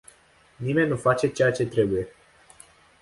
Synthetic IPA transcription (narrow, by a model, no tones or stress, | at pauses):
nime̞nʲːufat͡ʃe̞t͡ʃe̞jat͡ʃe̞t̪ɾe̞buje̞